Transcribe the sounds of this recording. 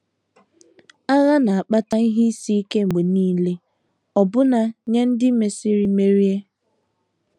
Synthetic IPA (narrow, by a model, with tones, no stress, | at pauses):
a˦ɣa˦na˨a˨k͡pa˦ta˦i˦ɦi˦si˦i˦ke˦ŋ͡m̩˨ɡ͡be˨niː˦le˦ | ɔ˨bʊ˦na˦ɲe˦n̩˦dɪ˦me˨si˦ɾi˦me˦ɾi˦e˦